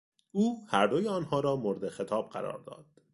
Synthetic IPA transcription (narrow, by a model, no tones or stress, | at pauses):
uːhæɾd̪ojeɒːnhɒːɾɒːmoɾed̪exe̞t̪ʰɒːb̥̚ɢæ̰ɾɒ̰ːɾd̪ɒ̰ːd̪̥